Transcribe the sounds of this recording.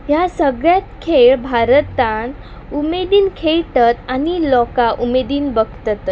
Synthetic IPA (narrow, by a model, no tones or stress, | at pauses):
jasəɡɭjat̪kʰeɭbʱaɾət̪ãn | umed̪iːnkʰeɭʈ̪ət̪anilɔkaʔumed̪iːnbəɡt̪ət̪